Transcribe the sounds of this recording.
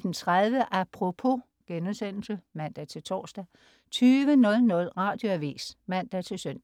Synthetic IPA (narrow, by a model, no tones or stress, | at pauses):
d̥en̩t͡sʰʁaðˠʋəʔæpʰʁo̝pʰo̝ | ɡ̥enəsen̰l̩səmæn̰d̥æt͡sʰe̝lt͡sʰɒ̰ːsd̥æ | t͡sʰyːʋənɔ̽lnɔ̽lʁɑ̈ːd̥jo̝æʋḭːsmæn̰d̥æt͡sʰe̝lsœn̰d̥